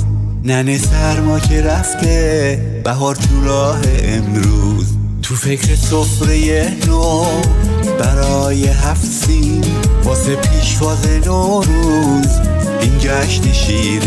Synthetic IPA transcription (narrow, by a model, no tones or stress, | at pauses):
nænesæɾmɒːcʰeɾæft̪ʰe | b̥æɦɒɾt̪ʰuɾɒːɦeʔemɾuːz | t̪ʰufecʰɾesofɾejeno | b̥æɾɒːjeɦæfsin | bɒːsepʰiːʃvɒːzeno | ɾuː | z | ind͡ʒɒʃneʃiːn